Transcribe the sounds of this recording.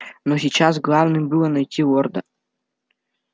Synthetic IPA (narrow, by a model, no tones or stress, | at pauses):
nɔsʲit͡ɕasɡlˠavnɨmbɨlˠɐnɐjtʲiɔrd̪ɐ